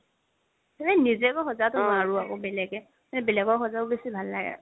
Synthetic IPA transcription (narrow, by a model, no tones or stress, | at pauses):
anɛnizɛkɔxɔzatʊaɹuakɔbɛlɛɡɛ | manɛbɛlɛɡɔɹxɔzaʊbesibʱalːaɡɛ̰